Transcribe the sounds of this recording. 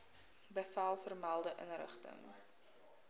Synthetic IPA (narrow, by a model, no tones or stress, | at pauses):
bəfalˠfərmælˠdəʔə̰nrə̰χtə̰ŋ